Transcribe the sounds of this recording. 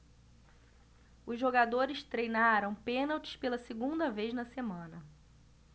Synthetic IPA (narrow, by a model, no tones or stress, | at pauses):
ʊzʒoɡad̪oɾɪʃt̪ɾejnaɾɐ̃w̃pẽnawt͡ʃɪ̥spelɐsɪɡũnd̪ɐvejznɐsemɐ̃nɐ